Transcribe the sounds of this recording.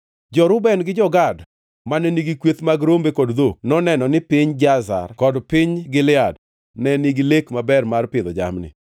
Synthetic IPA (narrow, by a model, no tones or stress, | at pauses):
d͡ʒɔɾʊbɛnɡɪd͡ʒɔɡad | manɛniɡikwet̪maɡɾombekɔdd̪onɔnɛnɔnɪpɪɲd͡ʒaza̰rkɔdpɪɲɡɪlɪad | nɛniɡilekmabɛrmarpɪd̪ɔd͡ʒa̰mnɪ̰